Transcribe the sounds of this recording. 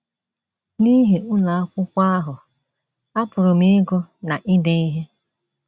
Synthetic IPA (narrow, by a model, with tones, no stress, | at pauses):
ni˦ɦe˨ʊ˦la˨a˦kʷʊ˦kʷa˦a˦ɦʊ˨ | a˦pʊ˨ɾʊ˨m̩˦e˦ɡo˦na˨ʔi˦de˦i˦ɦe˦